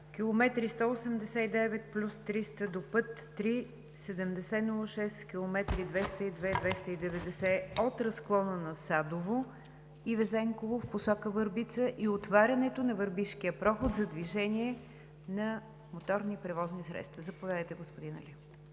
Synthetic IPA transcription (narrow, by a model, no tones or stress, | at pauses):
kʲilˠomɛt̪ɾist̪ɔosɛmd̪ɛsɛid̪ɛvɛt̪plʲust̪ɾist̪əd̪opɤt̪ːɾi | sɛd̪ɛmd̪ɛsɛnulˠəʃɛskʲilˠomɛt̪ɾid̪vɛst̪əid̪vɛd̪vɛst̪əid̪ɛvɛd̪ɛsɛot̪ɾɐsklˠɔnənɐsad̪ovo | ivɛzɛŋkovofposɔkəvəɾbit̪səʔiot̪vaɾʲɐnɛt̪onɐvəɾbiʃkiəpɾɔxot̪zɐd̪viʒɛnʲiɛ | nɐ | mot̪ɔɾnipɾɛvɔznisɾɛ̰t̪st̪vəzɐpovʲjad̪əjt̪ɛɡospod̪inɐ̰lʲi